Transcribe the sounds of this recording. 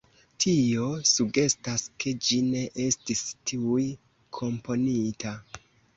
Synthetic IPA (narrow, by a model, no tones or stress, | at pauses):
tʰio̞suɡe̞staske̞d͡ʒine̞ʔe̞stistʰiuj | kʰo̞mpo̞nita